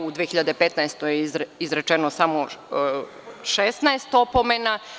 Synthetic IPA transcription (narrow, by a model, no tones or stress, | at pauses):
ud̪ʋijexiʎad̪epet̪naest̪ojeizɾet͡ʃenosamo | ʃesnaest̪opomena